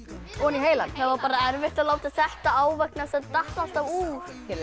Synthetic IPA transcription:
ɔniɦeːjlanθavaɾpaːɾaɛɾvɪht̪aðlaːwt̪aðθɛht̪aaːwvɛk̚nasɛt̪aht̪al̥t̪avuːɾ̥

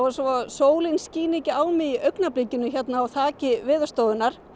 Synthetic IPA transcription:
vaɾsɔaðsoːwlɪnsciːnicɪaːwmɪðiʔœɥknapliːcɪnʏçɛt̪naːwθʰaːcɪvɪːðʏ̥st̪oːwðʏnːaɾ̥

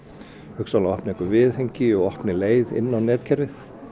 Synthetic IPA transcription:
hʏksalaɔhpnɪɛkʏvɪðheɲcɪɔɣɔhpnɪleːjðɪ̰nːawnɛːt̪cʰɛɾvɪθ

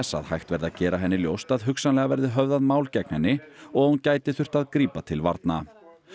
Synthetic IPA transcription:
ɛsːa̰ðhajxt̪vɛɾðacɛːɾaɦɛnːɪljowst̪aðɦʏksanlɛɣavɛɾðɪɦœvðaðmaːwlcɛknɛnːɪɔɣhuncaːjt̪ɪθʏr̥t̪aðkɾiːpat̪ʰɪlva̰ɾt̪na

